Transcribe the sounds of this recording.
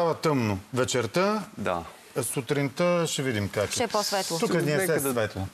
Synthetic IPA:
avɐt̪əmnʊvɛt͡ʃɛɾt̪əd̪a̰ | sut̪ɾint̪əʃɛvid̪imkat͡ʃɛɛpɔsvɛt̪lˠt̪ukkɛznɛɐsɛsvɛt̪lˠo

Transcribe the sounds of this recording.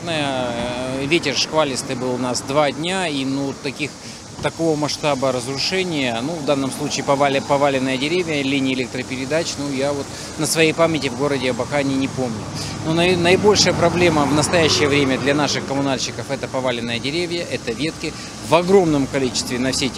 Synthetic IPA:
nəjə | vʲetʲɪrʂkvalʲɪst̪ɨbɨlˠʊnasd̪vadʲnʲainut̪ːɐkʲix | t̪ɐkovəmɐʂt̪abəɾəzɾʊʂɛnʲɪjənuvd̪anːəmslˠut͡ɕɪːpɐvalʲɪpɐvalʲɪnːəjədʲɪɾʲevʲjəlʲinʲɪːɪlʲek̚t̪ɾəpʲɪɾʲɪd̪at͡ɕnujavo̞t̪ | nəsvɐjejpamʲɪtʲɪvɡo̞ɾədʲɪɐbɐkanʲinʲɪpo̞mnʲʊnonnəɪbo̞lʲʂɨjəpɾɐblʲe̞məvnəst̪ɐjæɕːɪjəvɾʲemʲəd̪lʲɐnaʂɨxkəmʊnalʲɕːɪkəfɛt̪əpɐvalʲɪnːəjədʲɪɾʲevʲjəʔɛt̪əvʲe̞t̪kʲɪ | vɐɡɾo̞mnəmkɐlʲit͡ɕɪ̥st̪vʲɪnɐfsʲe

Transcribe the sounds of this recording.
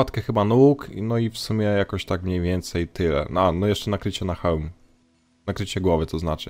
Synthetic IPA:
at̪kɛxɘbanuknɔifsumʲjɛjakɔɕt̪akmɲejvʲjɛnt̪sɛjt̪ɘlɛ̰anɔjɛʂt͡ʂɛnakɾɘt͡ɕɛnaxawmu | nakɾɘt͡ɕɛɡwɔvɘt̪ɔznat͡ʂɘ̰

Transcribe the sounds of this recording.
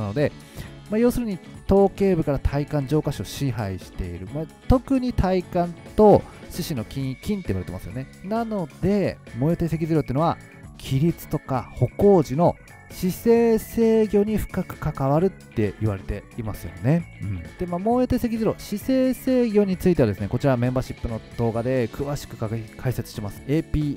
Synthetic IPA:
ano̞d̪e̞ | majo̞ːsɨɾɯ̟ɲ̟it̪o̞ːke̞ːbɯ̟kaɾat̪ʰaikãɲ̟d͡ʑo̞ːkaɕioɕĩɦaiɕi̥t̪e̞iɾɯ̟ma | t̪o̞kɯ̟ɲ̟it̪ʰaikãnt̪o̞ɕiɕino̞kʲĩkʲĩnt̪e̞ḭβaɾe̞t̪emasɨjo̞̰nenano̞d̪̥e̞mo̞ːjet̪ese̞k̬ʲizɨɾoeinoa̰ | kʲʰiɾʲit͡sɨ̥t̪o̞ka̰ho̞ko̞ːʑino̞ | ɕise̞ːse̞ːɡʲo̞ɲ̟iɸɯ̟̥kakɯ̟̥kakaβaɾɯ̟t̪ːe̞ʔiβaɾe̞t̪e̞imasɨjo̞̰ne̞ɯ̟̃ɴd̪̥e̞maːmo̞ːjot̪ese̞k̬ʲizɨɾo̞̰ɕise̞ːse̞ːɡʲo̞ɲ̟it͡sɨit̪e̞βad̪esɨne̞ko̞t͡ɕiɾamẽ̞mbaːɕipːɯno̞d̪̥o̞ːɡad̪e̞kʰɯ̟βaɕi̥kɯ̟kakʰaise̞t͡sɨ̥ɕit̪emasɨ̥eːpʲiː

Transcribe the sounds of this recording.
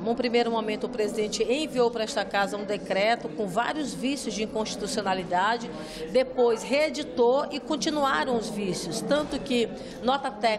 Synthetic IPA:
nũpɾimejɾʊmõmẽnt̪ʊːpɾezid̪ẽnt͡ʃɪẽviowpɐɾɐɛst̪ɐkazɐũd̪ekɾɛt̪ʊkõva̰ɾjʊzvisjʊzd͡ʒɪĩkõʃt͡ʃi̥t̪usionalid̪ad͡ʒɪ | d̪epojsɦeed͡ʒit̪oɪkõt͡ʃĩnua̰ɾɐ̃w̃ʊzvisjʊst̪ɐ̃nt̪ʊkɪ | nɔt̪ɐt̪ɛ

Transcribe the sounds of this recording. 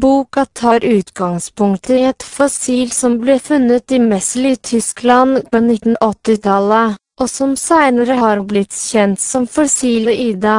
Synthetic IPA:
buːkɑt̪ʰɑːɾʉːt̪ɡɑŋspʊŋt̪ʰəɛt̪fɔsiːlsɔmbleːfʉnət̪ɪmɛslɪt̪ʰʏsklɑnkɔnɪt̪ːn̩ʔɔt̪ːɪt̪ʰɑləʔɔsɔmsæɪnəɾəɦɑːɾblɪt̪çɛnt̪sɔmfɔsiːləʔiːd̪ɑ

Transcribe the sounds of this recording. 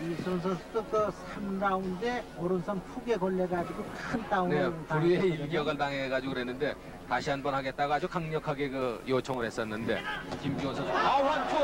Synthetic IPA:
isʰɯons̬ʰʌnsʰʌdotɯsʰamnɾaunde̞ʌɾɯnsʰʌŋpʰuɡe̞ɡʌɭːeɡad͡ʑiɡokʰɯnt͈auneɾɯnpauɾieilɡjʌɡɯɭtaŋɦeɡad͡ʑiɡoɾɦe̞nːɯnde̞ | taɕʰianbʌnɦaɡe̞t̚t͈aɡaːd͡ʑukaŋɲʌkʰaɡe̞kɯjot͡ɕʰʌŋɯɾhe̞s͈ʌnːɯnde̞̰kimbionsʰʌaant͡ɕʰo

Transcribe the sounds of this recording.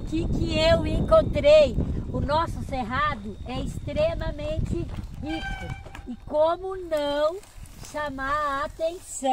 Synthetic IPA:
kɪkɪewẽŋkõnt̪ɾejʊnɔsʊseɦad̪ʊɛɪst̪ɾemɐmẽnt͡ʃɪhikʊɪkõmʊnɐ̃w̃ʃamaɾaːt̪ẽsɐ̃

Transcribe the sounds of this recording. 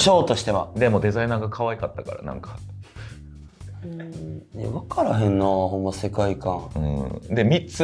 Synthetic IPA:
ɕo̞ːt̪o̞ɕi̥t̪e̞βa̰d̪e̞mo̞d̪e̞zainaːɡakʰaβaikat̪ːaka̰ɾa̰nã̰ŋkʰḁ | eβakaɾaɦẽ̞nːohõ̞mːase̞kaikãŋɯ̰̃ːd̪e̞mʲit͡sɨ

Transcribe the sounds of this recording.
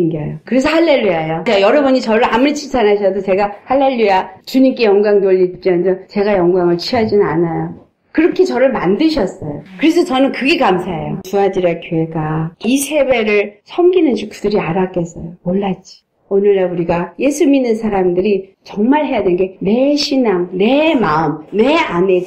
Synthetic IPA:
inɡeajokɯɾe̞s̬ʰʌhaɭːeʎːuajokajʌɾʌbuɲit͡ɕʌɾɯɭamuɾit͡ɕʰinsʰanɦaɕ̬ʰʌdot͡ɕe̞ɡahaɭːeʎːujat͡ɕuɲimk͈e̞jʌŋɡwaŋnoʎːit̚t͡ɕ͈iand͡ʑʌt͡ɕe̞ɡajʌŋɡwaŋɯɭt͡ɕʰiʌd͡ʑinɯnanajo | kɯɾʌkʰit͡ɕʌɾɯɭmandɯɕʰʌs͈ʌjokɯɾe̞sʰʌt͡ɕʌnɯnkɯɡe̞kamsʰaɦḛjot͡ɕuad͡ʑiɾakjoe̞ɡaisʰe̞be̞ɾɯɭsʰʌmɡinɯnd͡ʑikʰɯdɯɾiaɾak͈es͈ʌjomoɭːat͡ɕ͈i̥ | onɯɭːauɾiɡaje̞sʰuminːɯnsʰaɾamdɯɾi | t͡ɕʌŋmaɭɦe̞jadennɡe̞ne̞ɕʰinaŋne̞maɯmneane̞

